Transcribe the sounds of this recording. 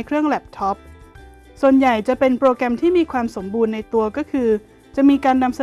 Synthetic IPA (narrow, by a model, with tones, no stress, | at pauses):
jkʰɾɯ˥˩əŋlɛ˨˩p̚t̪ʰɔ˦˥p̚ | su˨˩ənja˨˩jt͡ɕa˨˩pe˧npɾoː˧kɾɛ˧mt̪ʰiː˥˩miː˧kʰwaː˧mso˩˦mbuː˧nːa˧jt̪u˧ɐkɔː˥˩kʰɯː˧ | t͡ɕa˨˩miː˧kaː˧nːa˧msa˧